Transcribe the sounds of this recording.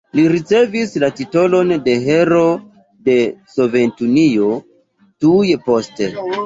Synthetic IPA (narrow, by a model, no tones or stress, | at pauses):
liɾit͡se̞vislatito̞lo̞nde̞ɦe̞ɾo̞ | de̞so̞ve̞ntunio̞ | tujpo̞ste